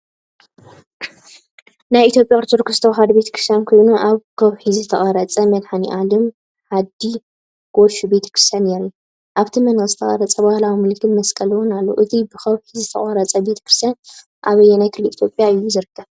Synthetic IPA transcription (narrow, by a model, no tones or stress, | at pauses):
najit̪jo̞pʼjakʼɨɾt̪ʰoɾkɾɨst̪ʰoɦad̪be̞t̪ʰɐ̥kɾɨ̥st̪jankʰojnuʔaβkʰɐβħizɨt̪ʰɐχʼɐɾɐt͡sʼɐmɐd̪ħaniʔalɨm | ħad̪i | ɡ̥oʃube̞t̪ʰɐ̥kɾɨst̪ʰjanːeɾiju | ʔaβt̪ʰimɐnkʼɨzɨt̪ʰɐχʼɐɾɐt͡sʼɐbahlawimɨlkʰɨnmɐskʼɐlwɔnalːoʔɨt̪ʰibɨkʰɐβħizɨt̪ʰɐ̰χʼɐɾɐt͡sʼɐbe̞t̪ʰɐ̥kɾɨst̪jan | ʔa̰βɐjːɛnajkʰɨlːɨit̪ʰjo̞pʼjaɨjːuzɨɾɨkʰːɐβ